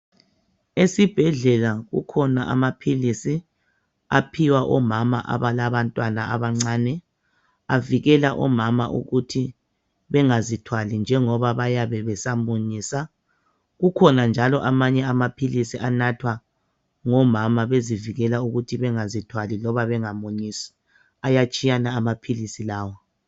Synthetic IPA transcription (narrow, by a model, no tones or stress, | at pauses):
esib̥ʱɛɮɛlaɣṵkʰɔnaʔa̰mapʰilisi | apʰiwaʔɔmama̰ʔa̰βalaβantʼwanaa̰βaŋ͡ǀaːnɛ | aviɣɛlaʔɔ̰mama̰ʔṵɣutʰi | βɛŋazitʰwalind͡ʒʱɛŋɔβaβajaβɛβɛsamuɲisa | ɣukʰɔnand͡ʒʱalɔʔamaɲɛamapʰilisiʔanatʰwa | ŋɔmamaβeziviɣɛlauɣutʰiβɛŋazitʰwalilɔβaβɛŋamuɲisi̥ | ajat͡ʃʼijanaːmapʰilisilaːwɔ